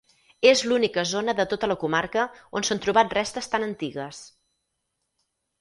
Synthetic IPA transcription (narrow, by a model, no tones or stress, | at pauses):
ezlunikəzonəðət̪ot̪ələkumaɾkəonsənt̪ɾuβat̪̚rɛst̪əst̪anənt̪iɣəs